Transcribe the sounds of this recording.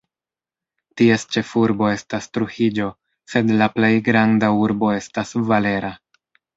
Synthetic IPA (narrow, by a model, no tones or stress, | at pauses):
tie̞st͡ʃe̞fuɾbo̞e̞stastɾuhid͡ʒo̞ | se̞dlaple̞jɡɾandauɾbo̞e̞stasvale̞ɾa